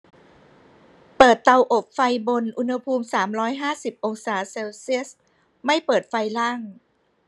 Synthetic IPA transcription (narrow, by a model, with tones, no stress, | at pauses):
pɤː˨˩t̪ːa˧wʔo˨˩p̚fa˧jbo˧nʔu˧nha˧pʰuː˧msaː˩˦mɾɔː˦˥jɦaː˥˩si˨˩p̚ʔo˧ŋsaː˩˦seː˧wsi˦˥ə˨s | ma˥˩jpɤː˨˩t̪̚fa˧jlaː˥˩ŋ